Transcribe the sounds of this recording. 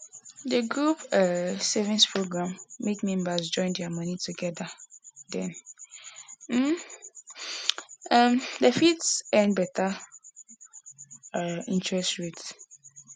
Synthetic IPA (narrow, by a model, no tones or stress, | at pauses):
dəɡɹupasɛvĩnspʰɹoɡɹãmːekmɛ̃mbasd͡ʒɔ̃ɪ̃ndɛamɔnituɡɛdadɛ̃n | mm̩ | amdəfitsɛ̃nbɛta | ĩntɹɛstɹet